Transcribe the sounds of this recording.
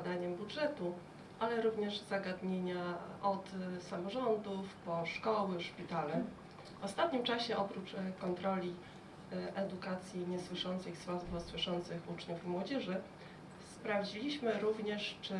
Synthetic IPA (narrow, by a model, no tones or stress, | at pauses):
ad̪aɲɛmbudʐɛt̪u | alɛɾuvɲɛʐzaɡad̪ɲeɲaɔt̪samɔʐɔnd̪ufpɔʂkɔwɘʂpʲit̪alɛ | vɔst̪at̪ɲimt͡ʂaɕɛʔɔpɾut͡ʂkɔnt̪ɾɔlʲi | ʔɛd̪ukat̪sʲjiɲɛswɘʂɔnt̪sɘxswazbɔswɘʂɔnt̪sɘxut͡ʂɲufimwɔd͡ʑɛʐɘ | spɾavd͡ʑilʲiɕmɘɾuvɲɛʂt͡ʂɘ